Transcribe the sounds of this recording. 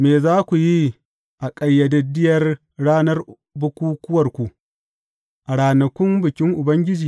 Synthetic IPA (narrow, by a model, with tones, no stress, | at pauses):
meː˨zaː˦kʷu˨ji˦ | ʔa˨kʼɐ˨jːɐ˨dɐ˨dɪ˦jɐ˨r | ɽaː˦nɐ˦r | bʊ˦kʷuː˦kʷʊ˦wɐ˨rkʷu˨ʔ | ʔa˨ɽaː˨nɐ˨kʷʊ˦mbʊ˨kʲɪ˦ŋʔʊ˨bɐ˦ŋɡʲɪ˦d͡ʒiː˨